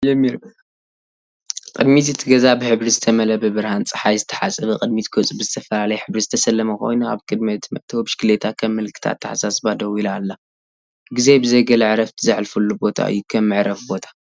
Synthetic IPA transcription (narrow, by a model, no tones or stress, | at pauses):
jɛmːiɾ | qʼɨd̪mizɨt̪ʰɨɡɐzabɨħɨβɾizɨt̪ʰɐmɐlɐbɨbɨɾhant͡sʼɨħajzɨt̪ʰɐ̥ħasʼɐβɐkʼɨd̪mit̪ʰkʰot͡sʼbɨzɨt̪ʰɐfɐlalɐjħɨβɾizɨt̪ʰɐsɐlːɐmɐko̞̰jnua̰βkʰʼɨd̪mɐt̪ʰmɐt̪ʰbɨʃkɨlet̪ʰakʰɐmːɨlkʰɨ̥t̪ʰa̰t̪ʰːɨħasasbad̪ɐwilalːa | ɡize̞bɨzɐjɡɐlɐʕɾɐft̪ʰɨzɨʕlfulːubo̞t̪ʰa̰ʔɨ̰jːukʰɐmːɨʕɾɐfbo̞t̪ʰḁ